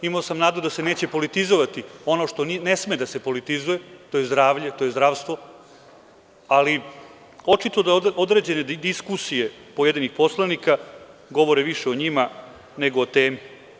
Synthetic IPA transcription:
imaosamnaːd̪ud̪ase̞ne̞ːt͡ɕepo̞lit̪izoʋat̪io̞noʂt̪o̞nine̞smed̪ase̞po̞lit̪izuje̞t̪oje̞zd̪ɾaːʋʎet̪o̞je̞zd̪ɾaːʋst̪ʋo̞ | ali | o̞t͡ʂit̪o̞d̪aod̪ɾe̞ːd͡ʑe̞ne̞d̪iskusije̞pojed̪inixpo̞slˠanikaɡo̞ʋo̞ɾeʋiʃeoɲima | ne̞ɡoot̪e̞ːmi

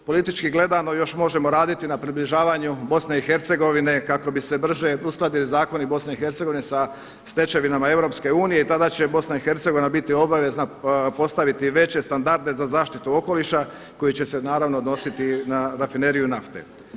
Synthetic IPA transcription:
po̞lit̪it͡ʃkiɡle̞d̪ano̞jo̞ʃmo̞ʒe̞mo̞ɾaːd̪it̪inapɾibliʒaːʋaɲubo̞sne̞ixe̞ɾt̪se̞ɡo̞ʋine̞kako̞bise̞br̩ʒe̞usklˠad̪ilizaːko̞nibo̞sne̞ixe̞ɾt̪seɡo̞ʋine̞sa | st̪e̞t͡ʃe̞ʋinamae̞ʋɾo̞pske̞uːnije̞it̪ad̪at͡ɕe̞bo̞snaixe̞ɾt̪seɡo̞ʋinabit̪io̞baʋe̞znapo̞st̪aʋit̪iʋe̞t͡ɕe̞st̪and̪aɾd̪e̞zazaːʃt̪it̪uo̞ko̞liʃa | ko̞jit͡ɕe̞se̞naːɾaʋnoːd̪no̞sit̪inaɾafine̞ɾijunaft̪ḛ

